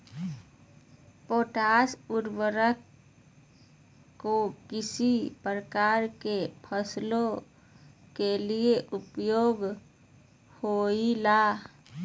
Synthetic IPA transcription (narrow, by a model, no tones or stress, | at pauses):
poːʈaːsʊɾwəɾək | kokɪsipɾəkaːɾkepʰəslo | kelieʔʊpjoːɡ | hoilaː